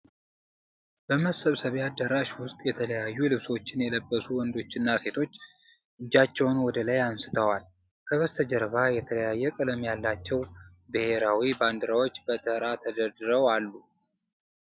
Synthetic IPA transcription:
b̥əməsəβsəβead̪ːəɾaʃwʊst̪ʼjɛt̪ʰələjajːulɨβso̞t͡ʃːɪnjɛləbːəsuwɔnd̪o̞t͡ʃːɨnːase̞t̪ʰo̞t͡ʃː | ʔɨd͡ʒːat͡ʃːɛwnwɔd̪əlajamsɨ̥t̪ʰəwal | kʰəβəst̪ʰəd͡ʒəɾβajɛt̪ʰələjajːɛkʼɨləmjalːat͡ʃːɛw | bɨhe̞ɾawiband̪ɨɾawo̞t͡ʃːbət̪ʰəɾat̪ʰəd̪əɾd̪ɨɾəwalːu

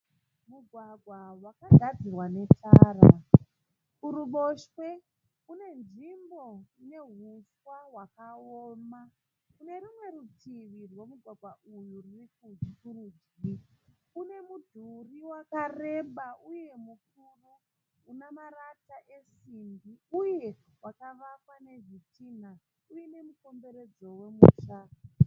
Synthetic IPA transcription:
muɡʱwaɡʱwawakaɡʱad͡zirwane̞tʰaːɾa̰ | uɾuɓoʃwe̞ | une̞nʐimbo̞ine̞ɦuswaɦwakaoːma | kune̞ɾimwe̞ɾutiʋirwe̞muɡʱwaɡʱwaʔujuririkuːd͡ʒikurud͡ʒɡikune̞mudʱuriwakare̞ɓauje̞muk̚uruː | namaɾataʔe̞simbiuje̞ | wakaʋakwane̞vitin̤a | ujine̞muko̞mbe̞ɾe̞d͡zo̞wemṵːʃa

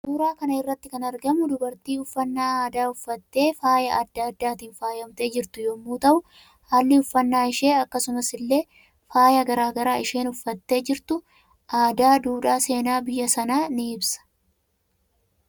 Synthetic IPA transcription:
suːɾaːkɐnɐɪrːɐt̪ːɪkɐnɐɾɡɐmʊd̪ʊbɐɾt̪iːʊfːɐnːaːaːd̪aːʊfːɐt̪ːe̞ːfaːjɐʔɐd̪ːaːd̪ːaːt̪iːnfaːjɐmt̪e̞ːd͡ʒɪɾt̪ʊjoːmːuːt̪ɐʔʊ | haːlːɪʊfːɐnːaːɪʃe̞ːɐkːɐsʊmɐsɪlːe̞ː | faːjɐɡɐɾaːɡɐɾaːɪʃe̞ːnʊfːɐt̪ːe̞ːd͡ʒɪɾt̪ʊ | ʔaːd̪aːd̪uːᶑaːse̞ːnaːbɪjːɐsɐnaːnɪɪbsɐ̥

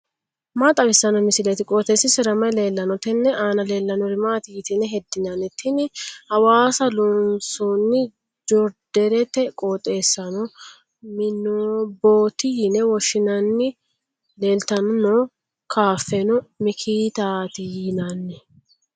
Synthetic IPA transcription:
maːt̪ʼɐwɪsːɐnɔmɪsɪlɛt̪ɪkʼoːt̪eːsːɪsɪɾɐmɐjle̞ːlːɐnɔt̪ɛnːɛʔaːnɐle̞ːlːɐnɔɾɪmaːt̪ɪjɪt̪ɪnɛɦɛd̪ːɪnɐnɪt̪ʰːɪnɪhɐwaːsɐlɔnsɔnːɪ | d͡ʒɔɾd̪̥ɛɾɛt̪ɛkʼoːt̪ʼːe̞ːsːɐnɔ | mɪnːoboːt̪ːɪjɪnɛwɔʃːɪnɐnːɪ | le̞ːlt̪ɐnɔnɔː | kʰaːfːɛnɔmɪkʰiːt̪aːt̪ɪjɪnanːɛ

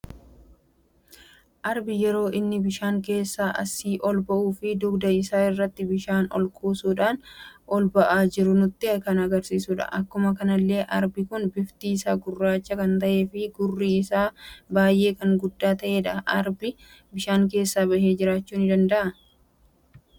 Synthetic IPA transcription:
ʔɐɾbɪjɛɾo̞ːʔɪnːɪbɪʃaːŋk̬e̞ːsːaːʔɐ̰sːiːʔɔlbɐʔuːfɪd̪ʊɡd̪ɐɪsaːɪrːɐt̪ːɪbɪʃaːnɔ̰lkʰʼuːsuːᶑaːnʔɔlbɐʔaːd͡ʒɪɾʊnʊt̪ːɪkɐnɐɡɐɾsiːsuᶑɐ̰ʔɐkːʊmɐkɐnɐlːe̞ːʔɐɾbɪkʊnbɪft̪iːsaːɡʊrːaːt͡ʃːɐkɐnt̪ɐʔe̞ːfɪɡʊrːiːɪsaːbaːjʔe̞ːkɐŋɡʊd̪ːaːt̪ɐʔe̞ːᶑɐʔɐɾbɪ | bɪʃaːŋk̬e̞ːsːaːbɐhe̞ːd͡ʒɪɾaːt͡ʃːuːnɪd̪ɐnd̪ɐʔɐ

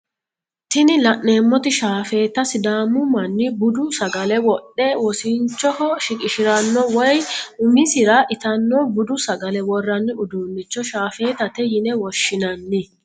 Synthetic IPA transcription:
t̪ɪnɪlɐʔne̞ːmːɔt̪ɪʃaːfe̞ːt̪ːɐsɪd̪aːmʊmɐnːɪbʊd̪ʊsɐɡɐlɛwɔɗːɛwɔsɪnt͡ʃːɔhɔʃɪkʼɪʃɪɾɐnːɔwɔjʊmɪsɪɾɐʔɪt̪ɐnːɔbʊd̪ʊsɐɡɐlɛwɔrːɐnːɪʊd̪uːnːɪt͡ʃːɔʃaːfe̞ːt̪ɐt̪ɛjɪnɛwɔʃːɪnɐnːɪ

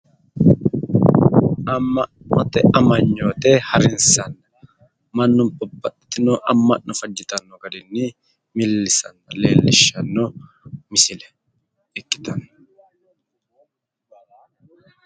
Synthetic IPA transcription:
ʔɐmːɐ | mɐt̪ɛʔɐmɐɲːoːt̪ehɐɾɪnsɐnːɐ | mɐnːʊmpɐbɐʔɪ̥t̪ɪnɔʔɐmːɐnnɔfɐd͡ʒːɪt̪ɐnːɔɡɐd̪ɪnːi | mɪlːɪsɐnːɐlḛːlːɪʃɐnːɔ | mɪsɪlɛ̥ | ɛkːɪ̥t̪ɐnːɐ

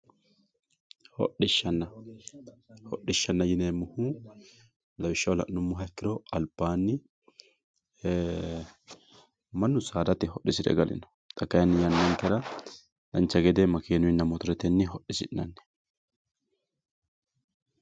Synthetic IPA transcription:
hɔ̰ɗɪʃːɐnːɐ | hɔɗːɪʃːɐnːɐjɪneːmʊhu | lɐwɪʃːɐwlɐ̰ʔnʊmːʊɦɐɛkːɪɾɔɐlbaːnːɪ | mɐnːʊsaːd̪ɐt̪ɪɦɔɗːɪsɪd̪ɛ̰ɡɐlʔɪ̰nɔ̥ | t̪ʼɐkːɐjɐnːɪjɐnːɐŋkːɛɾɐ | lɐnt͡ʃːɐɡɛd̪ɛmɐkeːnʊɪnːɐmɔt̪ɔɾɛt̪ɛnːɪɦɔɗɪsɪʔnɐnːɛ̥

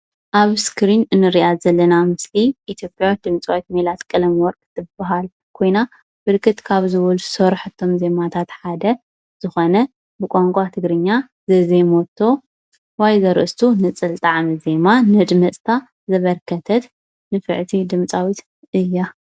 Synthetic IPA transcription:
ʔaβskʰɾinɨnːɨɾijazɐlːɐnamɨsliʔit̪ʰjo̞pʼjawit̪d̪ɨmt͡sʼawit̪melat̪kʼɨlɐmwɔɾkʼɨt̪ʰːɨbaɦal | kʰo̞jna | bɨlkʰːɨt̪kʰaβzɨwɔlusɐɾħɨt̪ʰːo̞mze̞mat̪ʰat̪ħad̪ɐ | z̥ɨxonɐ | bɨkʼoŋkʷʼat̪ʰɨɡɾɨɲːa | zɐzemot̪ʰːo̞ | wajzɐɾʔɨst̪ʰunɨt͡sʼɨlt̪ʼaʕmize̞manɨd̪mɐt͡sʼt̪ʰa | zɐβɐɾkʰɐt̪ʰɐt̪ | nɨfɨʕt̪ʰid̪ɨmt͡sʼawit̪ | ɨjːa

